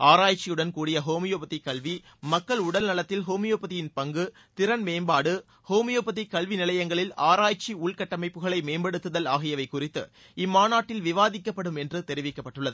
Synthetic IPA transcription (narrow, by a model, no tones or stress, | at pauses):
aːɾaːjt͡ʃːɪjɯɽɐnkuːɽɪjɐɦoːmɪjoːpɐt̪ːɪkːɐɭʋi | mɐkːɐɭʊɽɐlnɐlɐt̪ːɪlɦoːmɪjoːpɐðɪjɪnpɐŋɡɯ | t̪ɪɾɐnmeːmbaːɽɯ | hoːmɪjoːpɐt̪̬ːikːɐɭʋinɪlɐjɐŋɡɐɭɪlaːɾaːjt͡ʃːiʊɭkɐʈːɐmɐɪpːɯɣɐɭɐɪmeːmbɐɽɯt̪ːɯðɐlaːɣɪjɐʋɐɪkʊrɪt̪ːɯ̰ | ɪmːaːnaːʈːɪlʋɪʋaːðɪkːɐpːɐɽɯmɛndrɯt̪ɛɾɪʋɪkːɐpːɐʈːɯɭːɐðɯ